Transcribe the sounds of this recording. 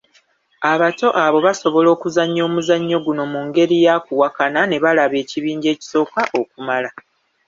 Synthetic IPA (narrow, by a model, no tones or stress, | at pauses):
aβato̞ʔaβo̞βaso̞βo̞lo̞ːkuzaɲːo̞ːmuzaɲːo̞ɡuno̞muŋɡe̞ɾijakuwakanane̞βalaβe̞ːciβiːɲɟe̞ːci̥so̞ːkaʔo̞kumala